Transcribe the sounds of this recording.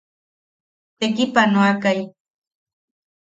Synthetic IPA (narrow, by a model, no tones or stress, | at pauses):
t̪ekipanoakaj